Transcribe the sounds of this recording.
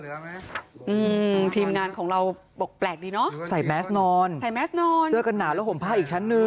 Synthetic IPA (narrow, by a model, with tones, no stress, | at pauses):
ʔɯː˧˩t̪ʰiː˧mŋaː˧nkʰɔː˩˦ŋɾa˧w | bo˨˩k̚plɛː˨˩k̚iː˧nɔ˦˥ʔsa˨˩jmɛ˦˥snɔː˧nsa˨˩jmɛː˦˥snɔː˧nɯ˧˩əka˧nːaː˨˩lɛː˦˥wʰpo˩˦mpʰaː˧˩ʔiː˨˩k̚t͡ɕʰa˦˥nːɯ˧